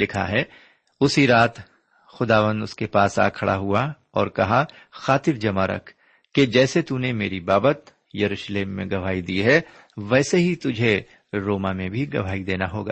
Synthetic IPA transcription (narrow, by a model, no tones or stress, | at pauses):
lɪkʰa̰ɦɛ | ʊsiɾaːt̪ | xʊd̪aːʋə̃nd̪ʊskepaːsa̰ːkʰɐɽʔa̰ɦua | ɔːɾkɐɦa | xaːt̪ɪɾd͡ʒɐmaɾɐ̰kʰː | ed͡ʒɛːset̪unemeːɾibaːbət̪ | jɐɾuːʃleːmːḛ̃ɡɐʋ̤aːid̪iɦɛ | ʋɛːseɦit̪ʊd͡ʒʱe | ɾoːmamẽbʱiɡɐ̰ʋ̤aːid̪eːnaɦoːɡa̰ː